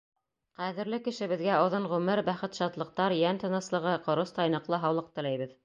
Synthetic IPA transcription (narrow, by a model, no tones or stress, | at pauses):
qæðɘ̆ɾlɘkɘ̆ʃɘ̆βɘ̆ðɡæŏðoɴʁʉmɘɾbæχɘt̪ʃɑt̪lˠɤ̆q̚t̪ɑɾjænt̪ɤ̆nɤ̆slˠɤ̆ʁɤqŏɾost̪ɑjnɤ̆qlˠɤɦɑwlˠɤq̚t̪ɘ̆læjβɘð